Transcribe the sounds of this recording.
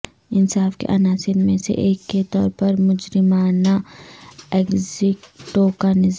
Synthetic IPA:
ɪnsaːfkḛʔɐnaːsɪɾmẽsḛʔeːkːet̪ɔːɾpɐɾmʊd͡ʒɾɪmaːna | eːkzɪkʈoːkanɪz

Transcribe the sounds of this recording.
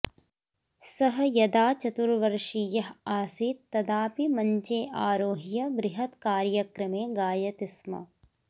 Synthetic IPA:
sɐɦɐjɐd̪aːt͡ʃɐt̪uɾʋɐɾʂijɐɦaːsiːt̪t̪ːɐd̪aːpimɐɲt͡ʃeːʔaːɾoːɦijɐbɾɪɦɐt̪kaːɾjɐkɾɐmeːɡaːjɐt̪ɪsmɐ̰

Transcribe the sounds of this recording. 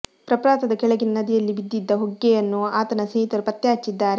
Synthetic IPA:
pɾɐpɾaːt̪ɐd̪ɐkɛɭɐɡinɐnɐd̪ijɐlːibid̪ːid̪ːɐɦoɡːɛjɐnːuaːt̪ɐnɐsɐjit̪ɐɾpɐt̪jaːt͡ʃːid̪ːaːɾe

